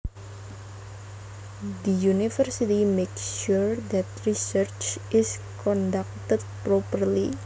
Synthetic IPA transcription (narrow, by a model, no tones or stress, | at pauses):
d̪əjunifərsit̪imeksʃuɾd̪ɛt̪ɾisərt͡ʃʔɪs | kɔnɖak̚t̪ət̪̚pɾopərli